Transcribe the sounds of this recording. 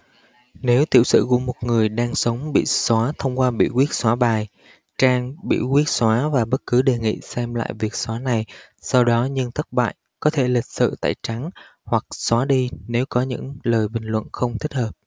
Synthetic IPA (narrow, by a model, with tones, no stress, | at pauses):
ne˨˦wt̪i˧˩əwsɨ̰˧˨kṵ˧˥əmo˨˩t̚ŋɨ˨˩əjɗaː˧ŋsə˨˦wŋ͡mɓḭ˧˨swaː˨˦t̪ʰə˧wŋ͡mkwaː˧ɓḭ˧˨kwi˦˥ət̚swaː˨˦ɓaː˨˩j | t͡ɕaː˧ŋɓḭ˧˥kwi˦˥ət̚swaː˨˦vaː˨˩ɓə˦˥t̚kɨ˨˦ɗe˨˩ŋḭ˧˨sɛ˧mla̰ː˧˨jvi˨˩ək̚swaː˨˦na˨˩j | sa˧wɗɔ˨˦ɲɨ˧ŋt̪ʰə˦˥t̚ɓa̰ː˧˨j | kɔ˨˦t̪ʰe˧˩lï˨˩k̟̚sɨ̰˧˨t̪a̰ː˧˨jt͡ɕa˨˦ŋ | hwa˨˩k̚swaː˨˦ɗi˧ne˨˦wkɔ˨˦ɲɨ̰˧˥ŋləː˨˩jɓï˨˩ŋ̟lwə̰˧˨nxə˧wŋ͡mt̪ʰi˦˥həː˨˩p̚